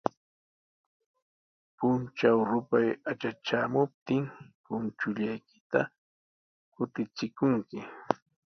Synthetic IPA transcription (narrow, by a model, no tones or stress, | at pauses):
pʊnt͡ʃawɾʊpajat͡ʃat͡ʃaːmʊp̚t̪ɪmpʊnt͡ʃʊʎajkɪ̥t̪a̰ | kʊt̪ɪt͡sɪkʊŋkɪ